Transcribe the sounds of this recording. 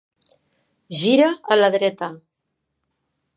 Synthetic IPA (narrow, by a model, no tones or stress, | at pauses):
ʒiɾaːlaðɾɛt̪a